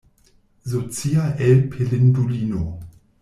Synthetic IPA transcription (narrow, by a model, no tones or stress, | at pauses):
zot͡siaʔɛlpʰelɪnduliːno